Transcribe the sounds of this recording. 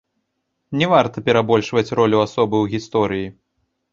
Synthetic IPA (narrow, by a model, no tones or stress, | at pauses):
nʲɛvart̪ɐpʲɛɾabɔlʲʂvɐt͡sʲrɔlʲuasɔbɨwɣʲist̪ɔɾɨji